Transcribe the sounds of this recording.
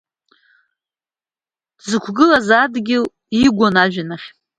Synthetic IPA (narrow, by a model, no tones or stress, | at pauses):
zɨkʷʰɡɨlazadɡʲɪl | iɡʷanaʒᶣanaχʲ